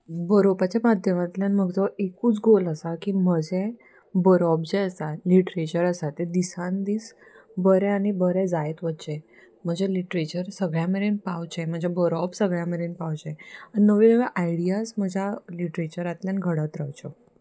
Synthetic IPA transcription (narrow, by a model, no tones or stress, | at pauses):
bəɾopat͡ɕamad̪ʱjəmat̪ljanməɡt͡sɔʔekuːt͡sɡoləsakim̤əd͡ʑẽ | bəɾɔb̚d͡zeəsaliʈɾet͡ɕəɾəsat̪ed̪isand̪iːsbəɾɛ̃aɽ̃ibəɾɛ̃d͡zajet̪ʋət̪t͡ɕe | m̤əd͡ʑeliʈɾet͡ɕəɾsəɡɭjameɾenpawt͡ɕɛm̤əd͡ʑebəɾɔbsəɡɭjameɾenpawt͡ɕɛaɽinəʋenəʋɛʔajɽijasm̤əd͡ʑʱjaliʈɾet͡ɕəɾat̪ljanɡʱəɽət̪ɾəwt͡ɕɔ